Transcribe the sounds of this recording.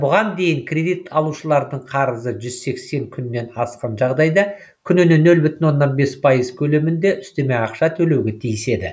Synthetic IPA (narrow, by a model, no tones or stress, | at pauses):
bʊʁɑnd̪e̞jɪŋkʲʰrʲe̞d̪ijt̪ʰɑlˠuʃəlˠɑɾd̪əɴqʰɑɾəzəʒʏzse̞kse̞ŋkʲʰʏnːe̞nɑsqɑnʒɑʁd̪ɑjd̪ɑ | kʲʰʏnɪnenːɵlbʏt̪ɪnwo̞nːɑnbe̞spʰɑjəz̥kʲʰɵle̞mɪnd̪e̞ʔʏst̪e̞me̞jɑqʃɑt̪ʰɵle̞wɡʲe̞t̪ʰijɪse̞d̪ɪ̰